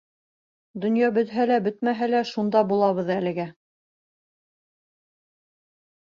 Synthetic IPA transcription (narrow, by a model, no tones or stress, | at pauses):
d̪ŏnjɑbɵ̆t̪ɦælæbɵt̪mæɦælæʃund̪ɑbulˠɑβɤ̆ðælɘ̆ɡæ